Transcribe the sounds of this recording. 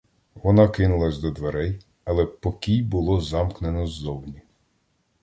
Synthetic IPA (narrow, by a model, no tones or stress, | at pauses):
ʋɔnɑkɪnʊlˠɐzʲd̪ɔd̪ʋeɾɛj | ɐlˠɛpɔkʲijbʊlˠɔzɑmknenɔzd̪ɔwnʲi